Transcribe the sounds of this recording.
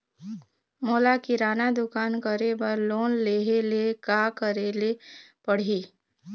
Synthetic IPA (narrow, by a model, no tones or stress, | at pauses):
moːlakiɾaːnad̪ʊkaːnkəɾebəɾloːnleːɦelekakəɾelepəɽ̤iː